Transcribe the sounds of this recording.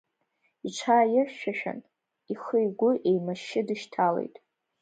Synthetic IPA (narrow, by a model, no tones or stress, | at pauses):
iʈ͡ʂʷʰaːjɪrʃᶣaʃᶣa̰n | iχəjɡʷʊʔe̞jmaʃːɪdɨʃtʰalḛjtʼ